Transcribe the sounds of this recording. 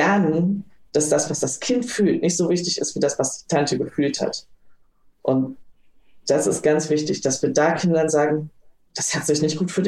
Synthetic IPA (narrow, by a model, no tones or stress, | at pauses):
ɛɐnənd̥asd̥asv̥asd̥askʰɪntfyːltnɪçtz̥oːvɪçtɪçɪ̰stfiːɐdasv̥asd̥iːtʰantəɡəfyːltha̰t | ʔʊnt | d̥asɪstɡ̥ant͡sv̥ɪçtɪçd̥asv̥iːɐdaːkʰɪndɐnzaːɡŋ̩ | d̥ashatz̥ɪçnɪçt̚ɡ̥uːtfyːɐdɪ